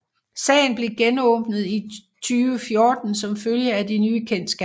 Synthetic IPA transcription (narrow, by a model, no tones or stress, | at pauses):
sɛ̰ːɪn̩b̥le̝ɡ̥enɔ̽ːb̥nð̩ˠi | t͡sʰyːʋəfjo̝ːd̥n̩sɒ̽mføljəædinyːkʰen̰d̥sɡ̥æ